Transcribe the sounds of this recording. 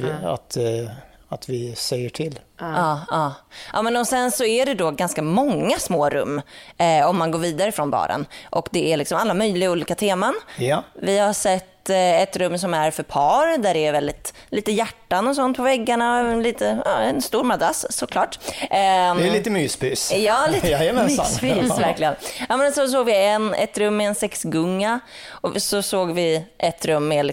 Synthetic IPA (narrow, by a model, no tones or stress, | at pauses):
a̰t̪ | at̪vɪsɛjːəʈʰɪlːɑːɑːʔɑ̰ːmɛnɔsɛnsɔæɖɛd̪ɔɡanskamɔŋːasmoːɾɵ̰mːɔmːanɡoːɾviːd̪aɾəfɾɔnbɑ̰ːɾə̰nʔɔkd̪ɛʔæɭɪksɔmalːamœjlɪɡauːliːkat̪ʰeːmanjvɪhaʂɛt̪ːɛt̪ɾɵmːsɔmæɾfœɾpʰɑːɾd̪æɖɛːɾvɛld̪ɪt̪liːt̪əjæʈːanɔs̬ɔnt̪̚pʰɔvɛɡːaɳanliːt̪əɑːɛnst̪uːɾmad̪ɾasːɔkʰlɑːʈ | d̪ɛliːt̪əmyːspɪsjɑːliːt̪mɛspiːsvæɾklɪɡənaːmɛnsɔs̬oːɡvɪɛnɛ̰t̪ɾɵmːɛːnsɛksɡɵŋːaɔsɔsoːɡvɪʔɛt̪ɾɵmːɛl